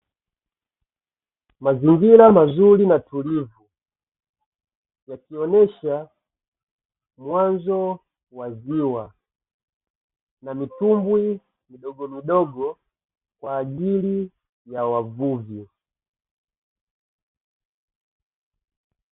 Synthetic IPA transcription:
maziŋɡilamazulinatulivu | jakiɔnɛʃa | mwanzɔ | waziwa | namitumbwi | miɗɔɡɔmiɗɔɡɔ | kwaːʄili | jawavuvju

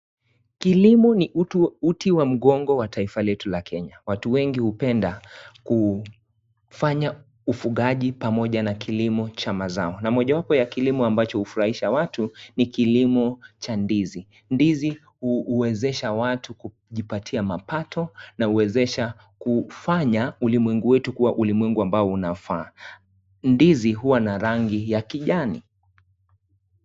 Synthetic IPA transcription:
kilimɔniutiwam̩ɠɔŋɡɔwatʰaifalɛtulakʰɛɲawatuwɛŋɡihupɛndaku | faɲa | ufuɠaʄipamɔʄanakilimɔt͡ʃamaza̰ɔnamɔʄawapɔjakilimɔambat͡ʃɔhufuɾahiʃawatunikilimɔt͡ʃandizi | ndizi | huːwɛzɛʃawatuku | ʄipatʰiamapatʰɔnauwɛzɛʃa | kufaɲaulimwɛŋɡuwɛtukuwaʔulimwɛŋɡuambaɔunafaː | ndiziɦuwanaɾaŋɡijakiʄanḭ

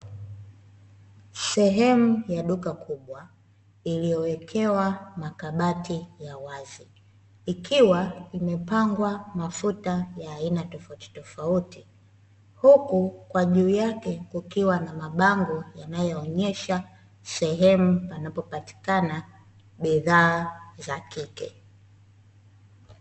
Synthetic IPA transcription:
sɛɦɛmujaɗukakʰuɓwa | ilijɔwɛkʰɛwamakaɓatijawaziː | kʰiwaimɛpaŋɡwamafutajaːinatɔfauti̥tɔfauti | hukukwaʄuːjakɛkukiwanamaɓaŋɡɔjanajɔːɲɛʃa | sɛɦɛmupanapɔpati̥kana | ɓiðaːzakikɛ

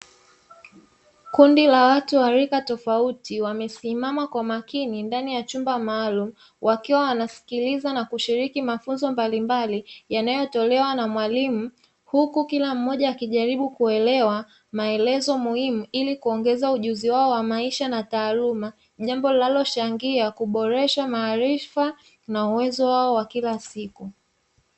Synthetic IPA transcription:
kundilawatuwaɾikatɔfautiwamɛsimamakwamakinindanijat͡ʃumbamaːlumu | wʔakiwawanasi̥kilizanakuʃiɾikimafunzɔmbalimbalijanajɔtɔlɛwanamwalimu | hukukilam̩ːɔʄaːkiʄaɾiɓukuɛlɛwa | maɛlɛzɔmuhimuilikuɔŋɡɛzauʄuziwaɔwamaiʃanataːluma | ʄambɔlinalɔt͡ʃaŋɡiakuɓɔɾɛʃamaːɾifa | nauwɛzɔwaɔwakilasiku

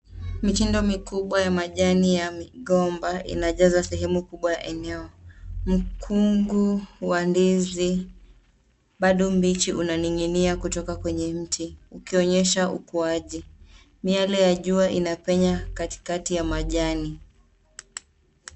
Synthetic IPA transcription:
mit͡ʃindɔmikuɓwajamaʄanijamiɠɔmbaḭnaʄazasɛɦɛmukuɓwaja̰ʔɛnɛɔm̩kʰuŋɡuwandizi | ɓaɗɔmbit͡ʃiʔunaniŋiniakutɔkakwɛɲɛm̩tiukiɔɲɛʃaukuaʄi | mialɛjaʄuaʔinapɛɲakati̥katijamaʄani

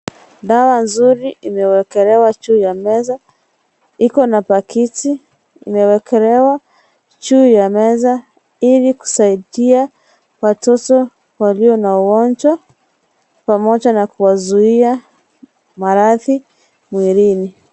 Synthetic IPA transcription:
dawanzuɾiʔimɛwɛkɛɾɛwat͡ʃuːjamɛza | ikɔnapakiti | imɛwɛkʰɛɾɛwa | t͡ʃuːjamɛza | iliku̥saiɗia | watɔtɔ | waliɔnauwɔnd͡ʒwa | pamɔʄanakuwazuia | maɾaði | mwiɾini

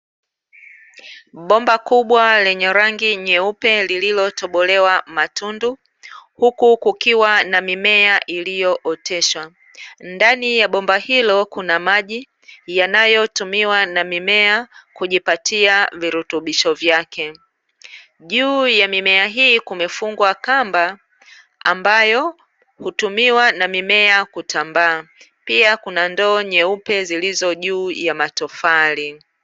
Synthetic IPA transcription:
ɓɔmbakuɓwalɛɲɛɾaŋɡiɲɛupɛlililɔtɔɓɔlɛwamatundu | hukukukiwanamimɛaʔilijɔʔɔtɛʃwa | ndanijaɓɔmbahilɔkunamaʄi | janajɔtumiwanamimɛakuʄipatiaviɾutuɓiʃɔvjakɛ | ʄuːjamimɛaɦiːkumɛfuŋɡwakamba | ambajɔ | hutumiwanamimɛakutambaː | piakunandɔːɲɛupɛzilizɔʄuːjamatɔfali

